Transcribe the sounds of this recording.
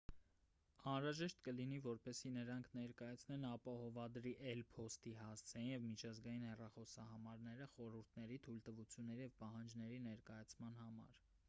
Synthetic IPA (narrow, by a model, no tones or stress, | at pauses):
ɑnɾɑʒɛʃt̪kəlinivɔɾpɛsinəɾɑŋkʰnɛɾkɑjɑt͡sʰnɛnɑpɑhɔvɑd̪ɾiʔɛlpʰɔst̪iɦɑst͡sʰɛjinjɛvmit͡ʃʰɑzɡɑjinhɛrɑχɔsɑhɑmɑɾnɛɾəχɔɾuɾt̪ʰnɛɾit̪ʰult̪əvut͡sʰjunːɛɾijɛvpɑɦɑnd͡ʒnɛɾinɛɾkɑjɑt͡sʰmɑnhɑmɑ̰ɾ